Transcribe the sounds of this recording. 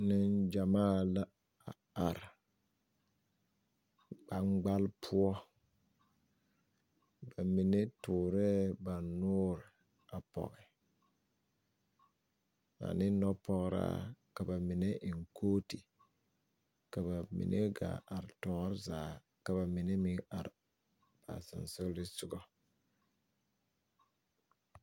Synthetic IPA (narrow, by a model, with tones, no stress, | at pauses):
nɪ˦nd͡ʒa˨maː˦˨la˦ | a̰˨ | a˨ɾ | ɡ͡ba˦ŋ͡mɡ͡ba˦lpʰʊ˦ɔ˦ | ba˨mɪ˨nɛ˦tʊː˨ɾɛ˦ba˨nʊː˦ɾɪ˨ | a˨pɔ̰˨ɣɛ˨ | na̰˨nɪ̃˦nɔ˦pɔ˦ɣɾa̰ː˦ka˨ba˨mɪ˨nɛ˦ʔɪ˨ŋ˨kʰoː˦ti˨ | ka˨ba˨mḭ˨nʔe˦ɡa̰˨a˨ɾɪ˨tɔː˨˦ŋ˦ɾɪ˦zaː˨˦ | ka˨ba˨mɪ˨nɛ˦mɪ˦a˨ɾɪ˨ | b̥a̰˨sɪ̰˨nsɪ˦ɣlɪ˦sʊ˦ɡɔ˦